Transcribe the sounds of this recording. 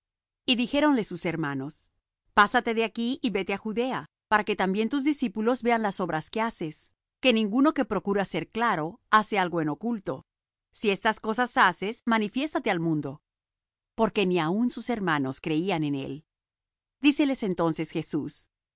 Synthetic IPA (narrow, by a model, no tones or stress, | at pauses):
iðixe̞ɾo̞nle̞suseɾmano̞s | pasat̪e̞ðeakiiβe̞t̪e̞axuðe̞a | paɾake̞t̪ambje̞nt̪uzðisipulo̞zβe̞anlaso̞βɾaske̞ase̞s | ke̞nĩŋɡuno̞ke̞pɾo̞kuɾase̞ɾklaɾo̞ase̞alɣo̞eno̞kult̪o̞̰ | sie̞st̪asko̞sasase̞smanifje̞st̪at̪e̞almũnd̪o̞ | po̞ɾke̞niaunsuse̞ɾmano̞skɾe̞iane̞ne̞̰l | d̪ise̞le̞se̞nt̪o̞nse̞sxe̞sus